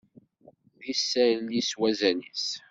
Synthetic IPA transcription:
ðisːæliswæzænis

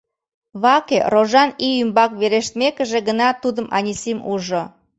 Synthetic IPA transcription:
βɑkeroʒɑniymbɑkβeɾeʃt̪mekəʒeɡənɑt̪ud̪əmʔɑ̰nʲisimuʒo

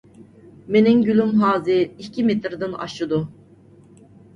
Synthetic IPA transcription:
meninɟylʲymɦaːziicʰimet̪ɾd̪ɯna̰ʃɯd̪u

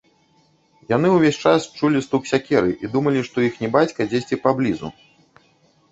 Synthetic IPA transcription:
jan̪ɨwvʲesʲt͡ʂast͡ʂulʲist̪uksʲakʲɛɾɨʔid̪umɐlʲiʂt̪ɔjixnʲɛbat͡sʲkɐd͡zʲesʲt͡sʲɛpablʲizṵ

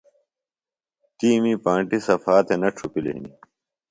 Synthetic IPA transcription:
t̪iːmiːpãːɳʈisɐfaːt̪enɐʈ͡ʂʰupilḛḭni

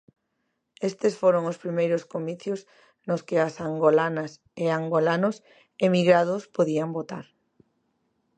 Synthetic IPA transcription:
est̪esfoɾoŋʊspɾimejɾʊskomiθjos | nʊskɪasaŋɡolanɐs | eaŋɡolanʊs | emiɣɾaðʊspoðiambot̪a̰ɾ

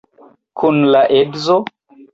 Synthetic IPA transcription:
kʰunlaʔebzo

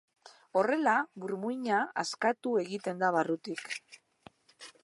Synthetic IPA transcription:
o̞re̞laβuɾmujɲaa̰skat̪ue̞ɣit̪e̞nd̪aβ̞arut̪ik

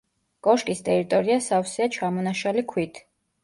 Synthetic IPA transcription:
kʼɔʃkʼist̪ʼɛɾit̪ʼɔɾiasafsɛat͡ʃʰamɔnaʃalikʰwit̪ʰ

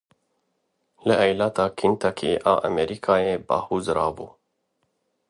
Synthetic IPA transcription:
lɨʔɛjlɑːt̪ʰɑːkʰint̪ʰakʰiːʔɑ̰ːʔamɛɾiːkʰɑːjeːbɑ̰ːhuːzɾɑːbuː

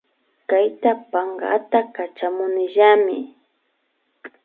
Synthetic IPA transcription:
kajt̪apaŋɡa̰t̪akat͡ʃamʊnɪʒamɪ

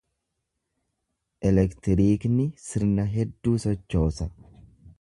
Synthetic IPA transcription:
ʔɛlɛkt̪ɪɾiːknɪsɪɾnɐɦɛd̪ːuːsɔt͡ʃːo̞ːsɐ

